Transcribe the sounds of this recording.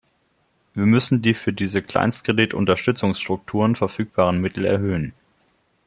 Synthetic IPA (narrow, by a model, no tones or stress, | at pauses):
viːɐmʏsn̩diːfyːɐdiːzəkʰl̥a̰ɪnstkʁ̥editʊ̰ntɐʃtʏt͡sʊŋsʃtʁ̥ʊk̚tʰuːʁənfɛɐfyːk̚b̥aːʁənmɪtl̩ɛ̰ɐɦøːən